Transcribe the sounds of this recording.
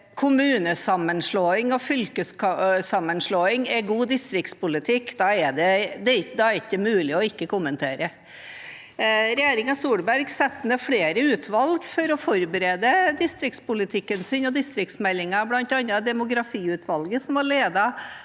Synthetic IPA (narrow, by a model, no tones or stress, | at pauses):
kʰʊmʉːnəsɑmːənʂɭoːɪŋɔfʏlkəskɑsɑmːənʂɭoːɪŋɛɡuːd̪ɪst̪ɾɪkt̪spʊlɪt̪ʰɪkːd̪ɑɛd̪ɛd̪ɛd̪ɑæɾɪkd̪ɛmʉːlɪɔɪkːəkʊmːənt̪ʰeːɾə | ɾɛjeːɾɪŋɑsuːɽbæɾɡsɛt̪ːnɛfɽeːɾəʉːt̪ʰʋɑlɡfɔɾɔfɔɾbəɾeːd̪əd̪ɪst̪ɾɪkt̪spʊlɪt̪ʰɪkːənsɪnɔd̪ɪst̪ɾɪk̚t̪smɛlːɪŋɑblɑnt̪ɑnːəd̪ɛmʊɡɾɑfiːʉt̪ʰʋɑlɡəsɔmʋɑɭeːd̪ɑ